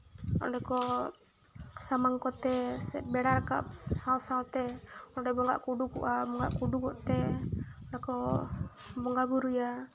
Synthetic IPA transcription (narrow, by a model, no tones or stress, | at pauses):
ɔ̰ɖɛkɔ | samaŋkɔt̪ɛsɛ̰t̪̚bɛɽarka̰p̚hausalt̪ɛɔɖɛbɔŋɡa̰ʔkuɖukṵʔabɔŋɡa̰ʔkuɖukɔʔt̪ɛɔɖɛkɔ | bɔŋɡabuɾuja